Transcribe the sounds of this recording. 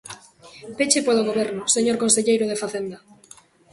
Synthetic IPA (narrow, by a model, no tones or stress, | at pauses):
pet͡ʃepoloɣ̞oβ̞eɾnoseɲoɾkonseʎejɾoð̞efaθend̪a